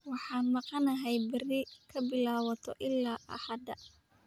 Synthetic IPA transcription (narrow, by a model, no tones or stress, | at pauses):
wɑħɑːnmɑqɑnɐɦɛjbɪrɪkʰɐbɪlaːwɐt̪ʰɔʔɪlːaːʔɐ̰ħɑd̪ɐ